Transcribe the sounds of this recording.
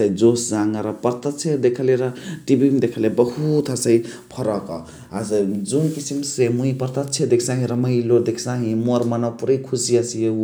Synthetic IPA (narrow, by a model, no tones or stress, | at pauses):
əjd͡zosd͡zaŋɡaɾʌpʌɾt̪ət̪t͡ʃʰed̪ekʰəleɾʌʈibimd̪ekʰəlebʌɦut̪asəjpʰʌɾʌkɔ | azd͡zunkisimsemuijpəɾt̪at̪t͡ʃʰed̪ekʰsãɦĩɾʌməjlod̪ekʰsaɦĩmoɾmanawpuɾəjkʰusiasije